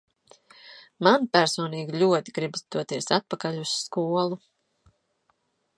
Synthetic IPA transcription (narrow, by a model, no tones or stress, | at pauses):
manpæɾsɔːniːɡiʎʲuɔt̪iɡɾibsd̪uɔt̪iɛsat̪̚pakaʎʲusːkuɔlˠu